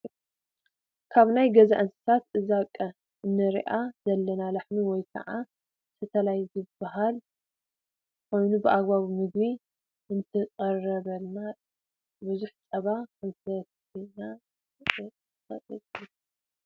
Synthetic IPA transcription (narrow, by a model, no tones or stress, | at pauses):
kʰaβnajɡɐzaʔɨnsɨ̥sat̪ɨzakʼːɐ | ɨnːɨɾḭʔazɐlːɐnalaħniwɔjkʰɐ̰ʕa | t̪ʰɨt̪ʰɐlajzɨbaɦal | ko̞jnubɨʔaɡbaβmɨɡβi | ɨnt̪ʰɨqʼɐrɐβɐlːa | buzuħt͡sʼɐβakɐnzɨt̪ʰɐ | ina | xɐ̰ʔʼɨtʼi